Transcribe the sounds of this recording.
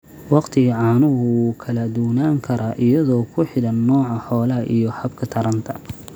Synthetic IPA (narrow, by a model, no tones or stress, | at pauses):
wɑqt̪ʰɪɣɐʕɑːnʊɦʊuːkʰɐlɐd̪ʊwnaːŋkʰɐɾaːʔɪjɐðɔːkʰʊħɪɽɐnːɔːʕɑħɔːlɐɦɐʔijɔhɐbkʰɐt̪ʰɐɾɐnt̪ʰɐ